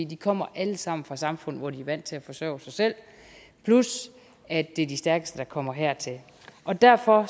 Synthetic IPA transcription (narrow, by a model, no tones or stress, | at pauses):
ḭːd̥ikʰɒ̽m̰ɐʔæləsɑ̈m̰n̩fʁɑ̈sɑ̈mfɔ̽n̰̩ʋɒd̥iæʋæn̰̥t͡sʰe̝æfɒ̽sœ̰ːʊsɑ̈ɪsel̰ | pʰlus | æd̥e̝d̥isd̥æɐɡ̥əsd̥əd̥ɑ̈kʰɒ̽m̰ɐɦɛɐ̰t͡sʰe̝l | ʔɒ̽d̥æɐ̰fɒ̽